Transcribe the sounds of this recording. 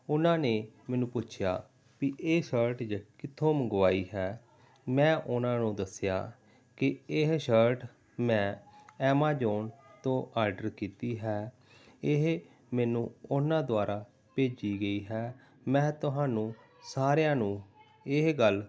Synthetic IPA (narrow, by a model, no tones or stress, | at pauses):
ʊnãːneːmɛːnũːpʊt͡ʃʰja̰ː | kiʔeːʃəɾʈd͡ʒakɪt̪ʰːõːməɡʋaːiːɦɛː | mɛ̃ːʔʊnãːnũːd̪əsja̰ː | kɪɪɦʃəɾʈ | mɛ̃ːɛːmaːd͡ʒoːnt̪õːʔaːɾɖəɾkiːt̪iːɦɛː | ɪɦ | mɛːnũːʊnãːd̪ʊwaːɾʔaː | peːd͡ʒiːɡəiːɦɛː | mɛ̃ːt̪ʊɦãːnũː | saːɾejãːnũː | ɪɦɡəl